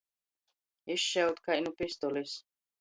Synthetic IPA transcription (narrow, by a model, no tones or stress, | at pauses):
iʃːɛut̪kʰainupʼist̪ɔlis